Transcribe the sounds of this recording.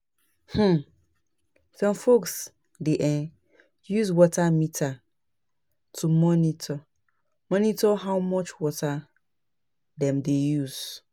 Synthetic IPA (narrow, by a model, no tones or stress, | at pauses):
h̩ | sɔ̃mfoks | deʔɛ̃n | juzwɔtʰamitʰa | tʰumɔ̃nitʰɔ | mɔ̃nitɔɦawmɔt͡ʃwɔtʰa | dɛ̃mdejuz̥